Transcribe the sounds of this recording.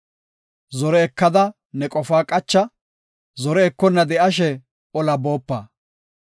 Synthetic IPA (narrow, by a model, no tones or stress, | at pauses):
zɔɾɛɛkːɐd̪ɐ | nɛkʼɔfaːkʼɐt͡ʃːɐ | zɔɾɛːkːɔnːɐd̪ɛʔɐʃ̬ɛ | ɔlɐbo̞ːpːɐ̰ː